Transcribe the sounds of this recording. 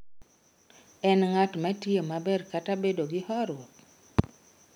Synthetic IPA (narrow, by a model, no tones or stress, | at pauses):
ɛnŋatmɛtjemabɛrkatabedoɡɪhɔɾwɔk